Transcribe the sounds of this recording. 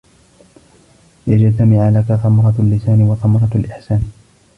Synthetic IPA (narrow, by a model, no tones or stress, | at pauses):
jad͡ʒt̪amɪʕalakaθɑmɾˤɑlːɪsaːnɪwɑθɑmɑɾˤɑalʔɪħsaːn